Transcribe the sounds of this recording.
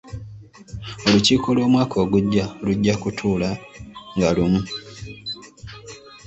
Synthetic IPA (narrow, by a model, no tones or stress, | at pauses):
o̞luciːko̞lwo̞ːmwaːkʰo̞ːɡuɟːaluɟːakutʰuːlaŋɡalumu